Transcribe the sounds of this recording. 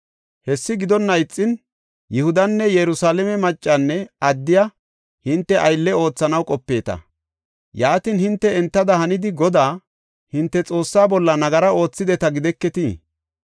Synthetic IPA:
hɛsːɪɡɪd̪ɔnːɐjt͡sʼːɪn | jɪhʊd̪ɐnːɛjɛɾʊsaːlɛmɛmɐt͡ʃʼːanːɛɐd̪ːɪjɐ | hɪnt̪ːɛʔɐjlːɛo̞ːt͡sːɐnɐwkʼɔpːe̞ːt̪ɐ̰ | jaːt̪inhɪnt̪ːɛɛnt̪ːɐd̪ɐhɐnɪd̪ɪɡɔd̪aː | hɪnt̪ːɛt͡sʼo̞ːsːaːbɔlːɐnɐɡɐɾɐo̞ːt͡sːɪd̪ɛt̪ɐɡɪd̪ɛkːɛt̪i

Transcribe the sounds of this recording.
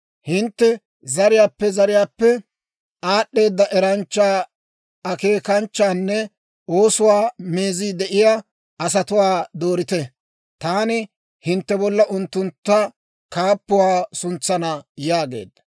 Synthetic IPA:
hɪnt̪ːɛ | zɐɾɪjaːpːɛzɐɾɪjaːpːɛ | aːɗːe̞ːd̪ːɐʔɛɾɐnt͡ʃːaː | ɐke̞ːkɐnt͡ʃːaːnːɛ | ʔoːsʊwaːmeːziːd̪ɛʔɪjaː | ɐs̬ɐt̪ʊwaːd̪o̞ːɾɪt̪ɛ | t̪aːnɪ | hɪnt̪ːɛbɔlːɐʔʊnt̪ːʊnt̪ːɐ | kaːpːʊwaːsʊnt͡sːɐnɐjaːɡe̞̰ːd̪ːɐ

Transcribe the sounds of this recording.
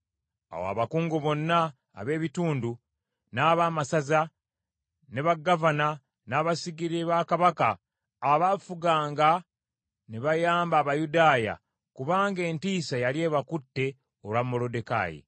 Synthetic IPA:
a̰woa̰βakuːŋɡoβo̞nːa̰ː | βe̞ːβituːndu | naːβaːmasaza | neβaɡːavana | naːβasiɡiɾeβakaβakaː | βafuɡaːŋɡa | neβajaːmbaːβajudaːja̰ | kuβaːŋɡe̞ːntiːsajalje̞ːβakutːe̞ | olwamːo̞lodeka̰ːjḭ

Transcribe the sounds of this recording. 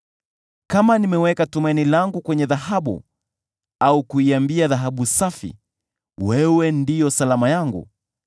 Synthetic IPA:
kamanimɛwɛkatumainilaŋɡukwɛɲɛðaɦaɓṵ | aukuiambiaðaɦaɓusafḭ | wɛwɛndijɔsalamajaŋɡṵ

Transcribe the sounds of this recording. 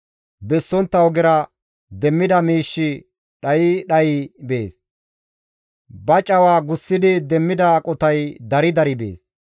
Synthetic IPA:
bɛsːɔnt̪ːɐwɔɡɪɾɐ | d̪ɛmːɪd̪ɐmiːʃːɪ | ɗɐjɪɗɐjɪbe̞ːs | bɐt͡ʃʼɐwaːɡʊsːɪd̪ɪd̪ɛmːɪd̪ɐkʼɔt̪ɐjd̪ɐɾɪd̪ɐɾɪbḛːs

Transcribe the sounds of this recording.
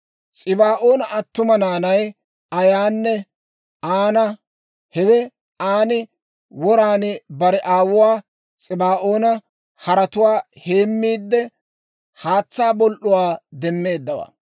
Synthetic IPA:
t͡sʼɪbaːʔo̞ːnɐʔɐt̪ːʊmɐnaːnɐj | ɐjaːnːɛ | aːnɐ | hɛwɛ | aːnɪ | wɔɾaːnɪbɐɾɛʔaːwʊwaː | t͡sʼɪbaːʔoːnɐ | hɐɾɐt̪ʊwaːhe̞ːmːiːd̪ːɛ | haːt͡sːaːbɔlʔʊwaːd̪ɛmːe̞ːd̪ːɐwa̰

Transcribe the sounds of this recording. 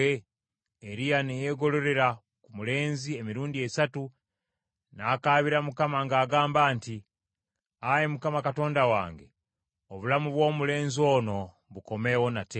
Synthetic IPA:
e | eɾijanejeɡo̞lo̞ɾe̞ɾa | kumule̞ːnzie̞miɾuːndiesatu | naːkaβiɾamukamaŋɡaːɡaːmbaːnti | ajemukamakato̞ːndawa̰ːŋɡe̞ | oβulamuβwo̞ːmule̞ːnzio̞ːno̞ | βuko̞me̞wo̞nate

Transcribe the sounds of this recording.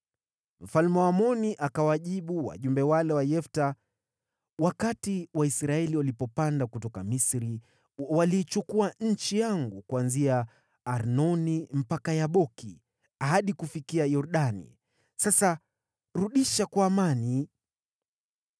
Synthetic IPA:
m̩falmɛwamɔniʔakawaʄiɓuwa̰ʄumbɛwalɛwajɛfta | wakatiwaisɾaɛliwalipɔpandakutɔkamisɾi | waliːt͡ʃukuaɲ̩t͡ʃijaŋɡukuanziaː | ɾnɔnim̩pakajaɓɔki | aɦaɗikufikiajɔɾɗanḭ | sasa | ɾuɗiʃakwaːmani

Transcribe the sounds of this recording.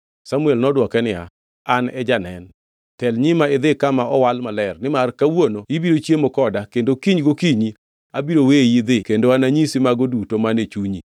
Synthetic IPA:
samuɛlnɔdwɔkɛnɪa̰ | anɛd͡ʒanɛn | tɛlɲɪmaɪd̪ɪkamaɔwalmalɛrnɪmarkawonoibiɾot͡ʃjemɔkɔdakendokiɲɡokiɲi | abiɾowejid̪ɪkendoanaɲisimaɡodutomanet͡ʃuɲi

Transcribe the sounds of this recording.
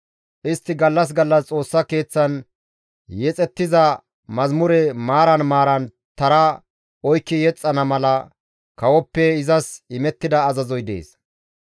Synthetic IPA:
ʔɪst̪ːɪɡɐlːɐs̬ɡɐlːɐst͡sʼo̞ːsːɐke̞ːt͡sːɐn | jɛt͡sʼɛt̪ːɪzɐ | mɐzmʊɾɛmaːɾɐnmaːɾɐn | t̪ɐɾɐ | ɔjkːɪjɛt͡sʼːɐnɐmɐlɐ | kɐwɔpːɛɪzɐsɪmɛt̪ːɪd̪ɐːzɐzɔjd̪ḛːs

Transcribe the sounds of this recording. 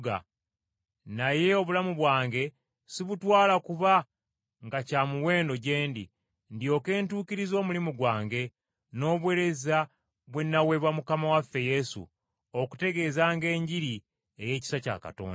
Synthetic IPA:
ɡa̰ | naje̞o̞βulamuβwaːŋɡe̞ | siβutwaːlakuβa | ŋɡacaːmuwe̞ːndo̞ɟe̞ːndḭ | ndio̞ke̞ːntuːkiɾizo̞ːmulimuɡwaːŋɡe̞ | no̞ːβweɾe̞za | βwe̞nːawe̞βwamukamawafːe̞je̞sṵ | oku̥te̞ɡe̞ːzaːŋɡe̞ːɲɟiɾi | e̞je̞ːci̥saca̰ka̰to̰ːnd

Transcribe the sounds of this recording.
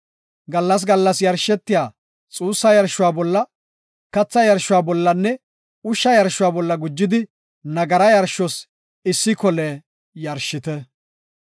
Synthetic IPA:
ɡɐlːɐs̬ɡɐlːɐsjɐɾʃːɛt̪ːɪjaː | t͡sʼuːsːɐjɐɾʃʊwaːbɔlːɐ | kɐt͡sːɐjɐɾʃːʊwaːbɔlːɐnːɛ | ʊʃːɐjɐɾʃːʊwaːbɔlːɐɡʊd͡ʒːɪd̪ɪ | nɐɡɐɾɐjɐɾʃɔs | ɪsːɪkɔleː | jɐɾʃːɪt̪ɛ

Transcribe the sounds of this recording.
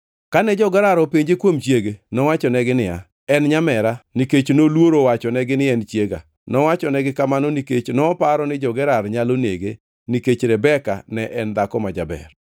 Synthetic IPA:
kanɛd͡ʒɔɡɛɾaɾɔpeɲd͡ʒekwomt͡ʃjeɡenɔwat͡ʃɔnɛɡɪnɪja̰ | ɛnɲamɛɾaniket͡ʃnolwoɾowat͡ʃɔnɛɡɪnɪɛnt͡ʃjeɡa̰ | nɔwat͡ʃɔnɛɡɪkamanoniket͡ʃnɔpaɾɔnɪd͡ʒɔɡɛɾaɾɲaloneɡe | niket͡ʃɾɛbɛka̰nɛʔɛnd̪akɔmad͡ʒa̰bɛ̰r

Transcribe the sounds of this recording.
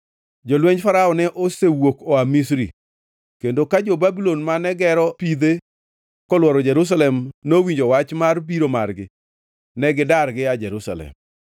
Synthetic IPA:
d͡ʒolweɲfaɾaɔnɛʔosewokɔamisɾḭ | kendokad͡ʒobabilonmanɛɡɛɾɔpid̪e | kɔlwɔɾɔd͡ʒɛɾus̬alɛmnowiɲd͡ʒowat͡ʃmarbiɾomarɡɪ | nɛɡɪdarɡɪad͡ʒɛɾusa̰lɛ̰m

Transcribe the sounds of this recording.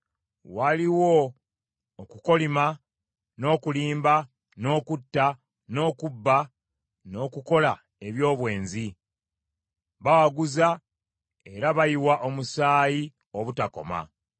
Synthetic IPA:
waliwoː | kuko̞lima | no̞ːkuliːmba | no̞ːkutːa | no̞ːkubːa | no̞ːkuko̞la | e̞βjo̞ːβwe̞ːnzi | βawaɡuza | e̞ɾaβajiwaʔo̞musaːji | oβutako̞̰ma̰

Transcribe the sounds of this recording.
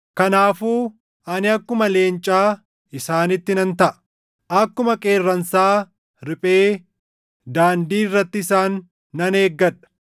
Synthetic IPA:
kɐnaːfuː | ʔɐnɪɐkːʊmɐle̞ːnt͡ʃʼaː | ɪsaːnɪt̪ːɪnɐnt̪ɐʔɐ̥ | ʔɐkːʊmɐkʼe̞ːrːɐnsaː | ɾɪpʼe̞ː | d̪aːnd̪iːɪrːɐt̪ːɪɪsaːnː | ɐne̞ːɡːɐᶑɐ̥

